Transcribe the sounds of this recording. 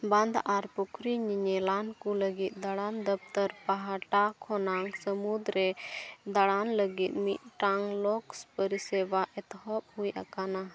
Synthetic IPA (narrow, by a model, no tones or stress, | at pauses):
bãnd̪aʔaɾpukʰɾiɲiɲɛlankuləɡit̪̚ˀd̪aɽand̪əp̚t̪əɾpaɦaʈakʰɔnaŋsəmud̪ɾɛd̪aɽanləɡit̪̚mit̪̚ˀʈaŋlɔkspəɾisɛbaʔɛt̪ɦɔp̚hujʔa̰kana